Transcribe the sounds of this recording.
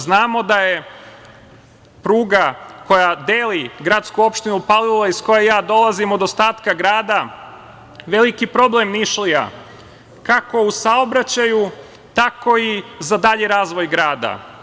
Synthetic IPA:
znaːmo̞d̪aje̞ | pɾuːɡako̞jad̪eːliɡɾat̪skuo̞pʃt̪inupalilˠaisko̞jejaːd̪o̞lˠazimo̞d̪ost̪aːt̪kaɡɾaːd̪a | ʋe̞likipɾo̞blemniʃlija̰ | kako̞usaobɾat͡ɕaju | t̪ako̞izad̪aʎeɾaːzʋo̞jɡɾaːd̪a̰

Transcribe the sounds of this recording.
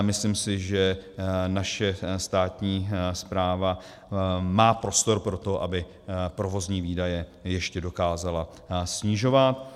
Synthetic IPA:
mɪslimsɪʒɛnaʃɛst̪aːt̪ɲiːspɾaːva | maːpɾo̞st̪o̞ɾpɾo̞t̪o̞ʔa̰bɪ | pɾo̞vo̞zɲiːviːdajɛjɛʃcɛdo̞kaːzala | sɲɪʒo̞vat̪̚

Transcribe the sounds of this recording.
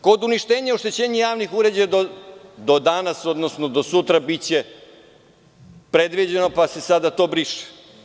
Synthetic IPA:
ko̞d̪uniʃt̪eːɲeoʃt̪et͡ɕeːɲejaːʋnixuɾe̞d͡ʑajad̪od̪od̪anasod̪no̞sno̞d̪o̞sut̪ɾabit͡ɕe | pɾe̞d̪ʋid͡ʑenopase̞sad̪at̪o̞ːbɾiʃɛ̥

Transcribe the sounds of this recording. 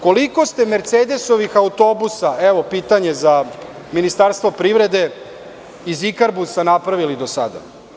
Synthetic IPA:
ko̞liko̞st̪e̞me̞ɾt̪seːd̪e̞so̞ʋixaut̪o̞busaeʋo̞pit̪aɲe̞za | minist̪aɾst̪ʋo̞pɾiʋɾe̞d̪e̞ | izikaɾbusanapɾaʋilid̪o̞sa̰d̪a̰

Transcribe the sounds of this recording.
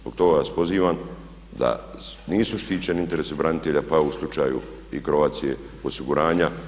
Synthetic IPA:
zbo̞̰ɡ̚t̪o̞ɡaʋaspo̞ziːʋam | d̪a̰niːsuʃt̪iːt͡ɕenint̪e̞ɾesebɾanit̪eʎapauslˠut͡ʃaːjṵ | ikɾo̞ʋaːt̪sije̞̰ | o̞siɡuɾaːɲa

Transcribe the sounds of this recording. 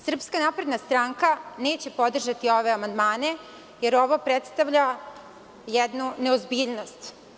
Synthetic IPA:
sr̩pskanapɾe̞d̪nast̪ɾaːŋkane̞ːt͡ɕe̞po̞d̪r̩ʒat̪io̞ʋe̞amand̪maːne̞ | je̞ɾo̞ʋo̞pɾet̪st̪aʋʎa | jed̪nuneozbiːʎno̞st̪

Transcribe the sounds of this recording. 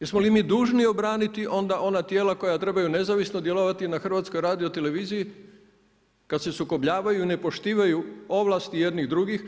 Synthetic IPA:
jesmolimiːd̪uːʒnio̞bɾaːnit̪iʔo̞nd̪aʔo̞nat̪je̞ːlako̞jat̪ɾe̞bajune̞zaʋisnod̪je̞loʋat̪inaxr̩ʋat̪sko̞jɾaːd̪iot̪e̞le̞ʋiːziji | kad̪se̞suko̞bʎaːʋajuine̞po̞ʃt̪iːʋajuo̞ʋlˠast̪ije̞d̪niɣd̪ɾuɡix

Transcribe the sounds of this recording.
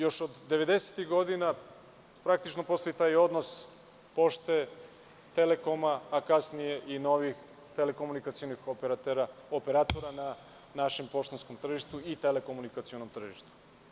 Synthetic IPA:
jo̞ʃod̪ːe̞ʋed̪e̞se̥t̪ixɡo̞d̪ina | pɾak̚t̪it͡ʃnopo̞st̪oit̪aːjo̞d̪nos | po̞ʃt̪e | t̪eleko̞maːkasnije̞ʔino̞ʋix | t̪elekomunikat̪sionixopɾaopeɾat̪oɾana | naʃe̞mpo̞ʃt̪onskomt̪r̩ʒiʃt̪uit̪elekomunikat̪sio̞nomt̪r̩ʒiʃt̪u̥

